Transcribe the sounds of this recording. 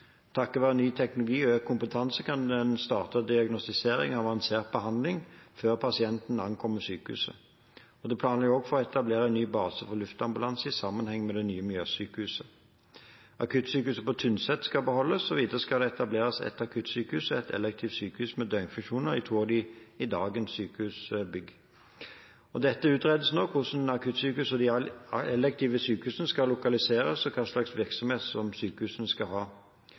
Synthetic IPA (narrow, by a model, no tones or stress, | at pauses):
t̪ʰɑkːɔʋɑːʁɛnːyːt̪ʰɛknʊlʊɡiːøːkkʰːʊmpət̪ʰɑnsəkʰɑnd̪ɛnst̪ɑːʁt̪əd̪ɪɑɡnɔst̪ɪseːɾɪ̰ŋɑʋɑnseːʁt̪̚bəhɑnd̪lɪŋføːʁpʰɑsɪɛnt̪nɑnkʰɔmːəsyːkəhʉ̰sə̰ | ɔd̪ɛpʰlɑːnlɛjɔːɡfɔʁɔɛt̪ɑbleːʁəɛnːyːbɑːsəfɔʁlʉft̪ɑmbʉlɑnsəɪsɑmːənhɛŋːmɛd̪ɛnyːəmɪljøːsyːkəhʉːsə | ʔɑ̰kʰʉt̪syːkəʉːsəpɔt̪ʰʉnsɛt̪skɑbəhɔlːəsɔʋiːd̪əʁəskɑd̪ɛɛt̪ɑbleːʁəsɛ̰t̪ɑkʰʉt̪syːkəʉːsɛt̪ʰɛ̰lɛk̚t̪ʰiːʋsyːkəhʉːsmɛd̪œŋfʉŋʃuːnəʁɪt̪ʰuːɔd̪iɪd̪ɑːɡənssyːkəhʉsbʏɡ | ɔd̪ɛt̪ːəʉːt̪ʁeːd̪əsnoːkʰʊʂnɑkʰʉt̪syːkəʉːsɔd̪ɪɛlɛk̚t̪ʰiːʋəsyːkəhʉːsənəskɑlʊkɑlɪseːɾəsɔkʰɑːʂlɑksʋɪʁksɔmheːt̪sɔmsyːkəhʉːsənəskɑɦɑː